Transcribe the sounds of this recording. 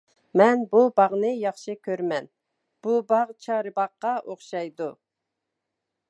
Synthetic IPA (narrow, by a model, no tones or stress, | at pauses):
mɛnbubɑʁnɨjɑχʃɨkʲʰøɾmɛn | b̥ubɑʁt͡ʃʰɑːɾɨbɑqːɑʔoχʃɑjd̪u